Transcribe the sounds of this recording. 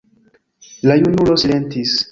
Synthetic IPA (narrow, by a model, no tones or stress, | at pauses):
lajunulo̞sile̞ntis